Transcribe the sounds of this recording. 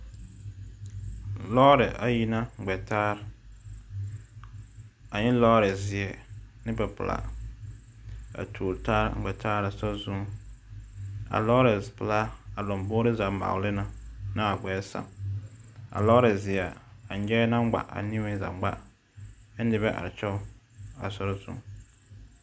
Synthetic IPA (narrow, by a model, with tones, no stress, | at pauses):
lɔː˦ɾɪ˨ʔa˨ji˦na˦ŋ͡mɡ͡bɛ˨taː˦ɾ | a˨ɲɪ˦lɔː˦ɾɪ˨zɪ˨ɛ˨ | nɪ˦bɛ˨pʊ̰˨la̰˨ | a̰˨tʰuː˨ɾtaː˦ɾɡ͡bɛ˨taː˦ɾa˨sɔ˦zu˦ | a̰˨lɔ˦ɾɛ˨spʊ˨la˦a˨lɔ˨mboː˦ɾɪ˦za˨˦ma̰˨lɪ˦na˨na˦a˨ɡ͡bɛː˨˦sã̰˨ŋ | a̰˨lɔ˦ɾɛ˨zɪ˨a˨a˨˦d͡ʒɛː˦na˦ŋ˦ɡ͡ba̰˨ʔa̰˨ni˦mɪ˦za̰˨ŋ͡mɡ͡ba˦ | ɛ˦n˦dɪ˨bɛ˦ʔa̰˨ɾt͡ʃɛ˦a̰˨sɔ˦ɾɔ˦zṵ˦